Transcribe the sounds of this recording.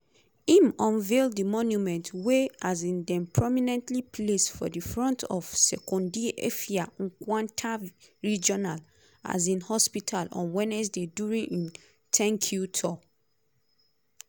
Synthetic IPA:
ĩmɔ̃nvelddimɔnjumɛ̃ntweazĩndɛ̃mpʰɹɔminɛ̃ntlipʰlesfɔ̰difɹɔ̃ntʰɔv̥sɛkɔ̃ndiʔḛfiaɔ̃nkwãntʰaɹid͡ʒɔnal | a̰zĩnhɔspitʰalɔ̰̃nwɛ̃nɛsdeduɹĩʔĩn | tʰɛ̃ŋkʰjutʰɔ

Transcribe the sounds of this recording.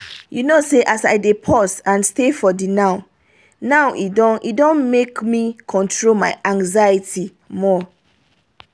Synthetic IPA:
junoseʔasaɪdepʰɔsãnstefɔdinãʊ̃ | nãʊʔidɔ̃nʔḭdõnmekmikʰɔ̃ntʰɹolmaɪʔãŋɡzaitʰi | mɔ

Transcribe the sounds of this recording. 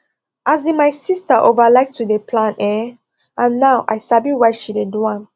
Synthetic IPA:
ʔazĩnmajsistəʔovəlajk̚tʰudepʰlãnɛ | ʔãnːawʔa̰jsabiwajʃideduãn

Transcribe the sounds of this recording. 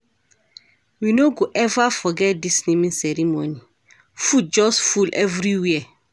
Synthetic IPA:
winoɡoʔɛvafɔɡɛt̚disnimĩnsɛɹimoni | fut̚d͡ʒɔsfulʔɛvɹiwiə

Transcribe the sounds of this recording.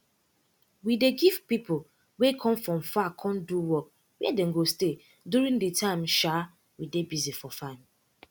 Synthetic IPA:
wideɡivpipo | wekʰɔ̃mfɹɔ̃mfakʰɔ̃nduwɔk̚ | wɛɛdɛ̃ŋ̩ɡoste | duɾĩŋdetʰãɪ̃mʃa | widebizifɔfãɪ̃m

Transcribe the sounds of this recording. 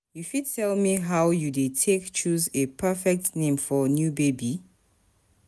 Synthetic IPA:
jufid̚tʰɛlmiɦawjudetʰekt͡ʃʰuzepʰɛfɛk̚tnẽmfɔnjubebi

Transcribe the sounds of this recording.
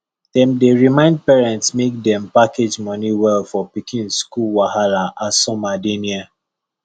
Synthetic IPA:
dɛ̃mdeɹimãɪ̃nd̚pɛɹɛ̃ntsmek̚dɛ̃mpakʰed͡ʒmɔniwɛlfɔpikʰĩnskulwahalaʔasɔmadenia

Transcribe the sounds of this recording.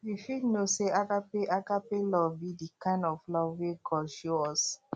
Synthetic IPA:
jifitnoseakapeʔakapelɔbidikãɪ̃ndɔflɔweɡɔʃoɔs

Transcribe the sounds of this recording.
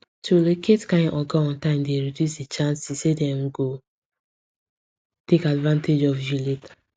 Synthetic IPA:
tʰulekʰetkãɪ̃nʔɔɡaɔ̃ntãɪ̃mdeɾidjusdet͡ʃãnsisedɛm̩ɡo | tekadvãnted͡ʒɔvjuletḁ

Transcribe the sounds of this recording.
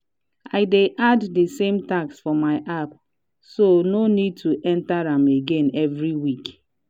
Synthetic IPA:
aɪdeʔadːisẽmtaksfɔmaɪʔap | sononid̚tuʔɛ̃ntaɾãmeɡẽnɛvɹiwik

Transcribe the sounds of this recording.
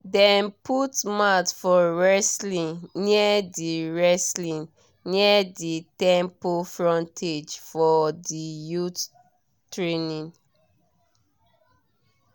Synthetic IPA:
dɛ̃nputmatfɔɹɛslĩnniədiɹɛslĩn | niəditɛ̃mpofɹɔ̃ntʰed͡ʒfɔdijut | tɹenĩn

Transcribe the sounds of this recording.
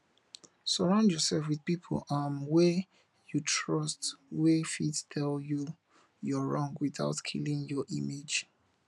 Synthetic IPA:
səɹãʊ̃ndjɔsɛlfwiðpipʰo̰lãnwɛ | jutʰɹɔstwɛfittʰɛlju | jɔɹɔ̃ŋɡwiθa̰ʊtkʰḭlĩŋjɔʔḭmed͡ʒ

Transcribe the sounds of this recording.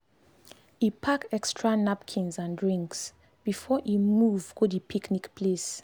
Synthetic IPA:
ipʰakɛkstʰɹanapkʰĩnzãndɹĩŋks | b̥ifɔʔimuvɡodipʰiknikpʰles

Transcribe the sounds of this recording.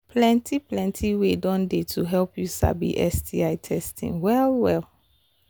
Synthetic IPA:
pʰlɛ̃ntiplɛ̃ntʰiwedɔ̃ndetʰuɦɛlpjusa̰bḭʔɛsdiaɪtʰɛstḭ̃ŋwɛlwɛl

